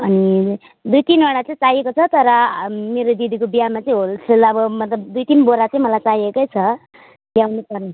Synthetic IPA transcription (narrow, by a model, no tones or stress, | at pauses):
ʌni | d̪ujt̪inɔɽat͡saĩt͡sajekot͡sʰʌt̪ʌɾʌmeɾod̪id̪ikobijamat͡saĩɦolsʰelʌbʌmʌt̪lʌbd̪ujt̪inboɾat͡saĩmʌlajt͡sajekʌjt͡sʰʌ | ljawnupʌɾe